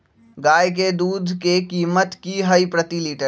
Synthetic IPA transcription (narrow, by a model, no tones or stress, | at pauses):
ɡaːjk̬ed̪uːd̪ʱkekiːmət̪kiɦɐipɾət̪iliːʈə